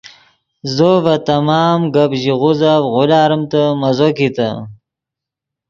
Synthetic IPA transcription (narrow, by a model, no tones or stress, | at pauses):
zovɐt̪ɐmɑːmɡɐbʑiʁuzavɣʊlaːɾəmt̪amɐzokit̪ɐ